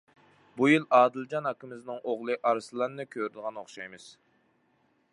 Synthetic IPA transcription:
bujilˠɑːd̪ɨlˠd͡ʒɑnɑkːɪmɪznɨŋʔoʁlˠɨʔɑɾɨsɨlˠɑnːɨkʲʰøɾɪd̪əʁɑnoχʃɑjmɨz̥

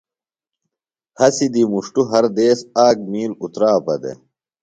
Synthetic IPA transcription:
hɐsid̪imuʂʈuɦɐɾd̪eːsaːk̚miːlut̪ɾaːpɐd̪ḛ

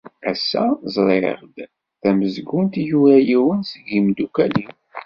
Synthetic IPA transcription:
æsːæ̰zˤɾˤeʁd̪ | θæməzɡunt̪juɾæjiwənsəɡimd̪ukælim

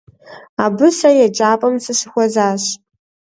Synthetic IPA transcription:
abɨsajad͡ʒʼaːpʼɐmsɨʂɨxʷazaːɕ

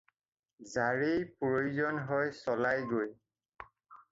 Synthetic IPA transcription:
zaɹejpojuzɔnɦɔjsɔlajɡoj

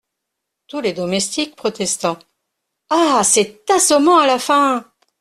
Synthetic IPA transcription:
t̪uled̪ɔmɛst̪ik̚pχɔt̪ɛst̪ɑ̃ | asɛt̪asɔmɑ̃alafɛ̃

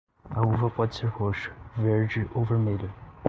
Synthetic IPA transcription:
ɐuvɐpɔd͡ʒɪseɾhoʃʊ̥veɾd͡ʒɪʔoveɾmelʊ

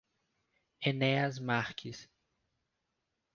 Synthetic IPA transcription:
eneɐzmaɾkʰis

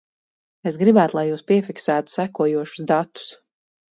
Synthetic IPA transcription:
es̬ɡɾibæːt̪lˠajuːspiɛfiksæːt̪u̥sækuɔjuɔʃu̥zd̪at̪ːu̥s

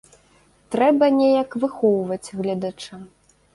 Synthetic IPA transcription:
t̪ɾɛbɐnʲejɐkvɨxɔwvɐt͡sʲɣlʲɛd̪ɐt͡ʂɨ

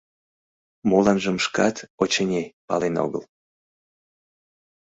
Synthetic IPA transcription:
molɑnʒəmʃkɑt̪ot͡ɕənʲepɑ̰leno̰ɣə̰l

